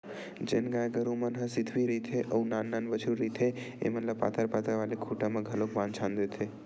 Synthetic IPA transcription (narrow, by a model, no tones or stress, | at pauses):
d͡ʒenɡãjɡəɾumənɦə̃sɪd̪ʱʋiɾit̪ʰeʔɐunaːnːanʋət͡ʃʰuɾit̪ʰe | ḛmɐt̪ləbpa̰ːt̪ʰəɾpaːt̪aʋaːlekʰuʈamãɡʱɐlokbãːnt͡ʃʰãnd̪et̪ʰe